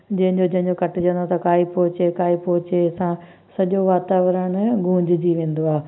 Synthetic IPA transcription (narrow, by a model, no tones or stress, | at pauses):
d͡ʑɐ̃ɦɪ̃ɲd͡ʑod͡ʑɐ̃ɦɪ̃ɲd͡ʑokɐʈɪd͡ʑə̃nd̪ot̪ɐkaːipɔːʊt͡ɕekaːipɔɦɪt͡ɕesã | sɐʄoʋaːt̪aːʋɾəɽ̃ɡʱũːɲd͡ʑɪd͡ʑiʋẽːn̆d̪oaːɦe